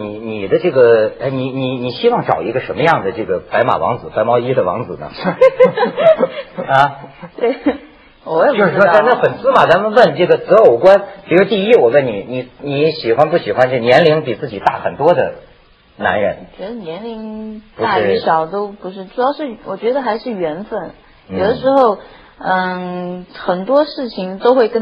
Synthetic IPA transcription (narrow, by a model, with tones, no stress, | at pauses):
ni˧˥ni˨˩d̪ə˦ʈ͡ʂɤ˥˩ɡə˩a˥˩ɪni˨˧˦ni˨˩ni˨˩ɕi˥wɑ˥˩ŋʈ͡ʂɑ˨˩ʊi˧˥ɡə˧ʂə˧˥nmə˧jɑ˥˩ŋd̪ə˩ʈ͡ʂɤ˥˩ɡə˩pa˧˥ɪma̰˨˩wɑ̰˧˥ŋd͡zɹ̩˨˩˦pa˧˥ɪmɑ˥ʊi˥d̪ə˨wɑ̰˧˥ŋd͡zɹ̩˨˩nə̰˦ | a˧˩t̪we˥˩ | wɔ˨˧˥jjo˧ʂɻ̩˥˧˩ʂwt͡sa˥˧na˥˩fə˨˩nsɹ̩˥ma˨˩t͡sa˧˥nwə˥˧nwə˥˧nʈ͡ʂɤ˥˩ɡə˩t͡sɤ˧˥o˨˩ʊkwa˥npi˨˩ɻu˥t̪i˥˧i˥wɔ˨˩wə˥˩nni˨˩ni˧˩ni˧˥ɕi˨˩xwa˥npu˥˩ɕi˨˩xwa˥nt͡ɕnjɛ˧˥nli˧˥ŋpi˨˩t͡sɹ̩˥˩t͡ɕi˨˩t̪a̰˥˩xə̰˨˩nt̪wɔ˥d̪ə̰˨ | na̰˧˥nɻə̰˧˥n˨˩t͡ɕɥɛ˧˥d̪ə˧njɛ˧˥nli˧˥ŋtu˧a˥˩˥y˥˩ɕjɑ˨˩ʊt̪o˥ʊpu˧˥ʂɻ̩˥˩ʈ͡ʂu˧˥jɑ˥˧ʊʂɻ̩˥˩wɔ˨˩t͡ɕɥɛ˧˥d̪ə˧xa˧˥ɪʂɻ̩˥˩ɥɛ˧˥nfə˥˩n | jo˨˩ʊd̪ə˦˥ʂɻ̩˧˥xo˥˧ʊ | ə˥˧˩ | xə˨˩nt̪wɔ˥ʂɻ̩˥˩t͡ɕʰi˨˩ŋt̪o˥ʊxwe˥˧ɪkə˥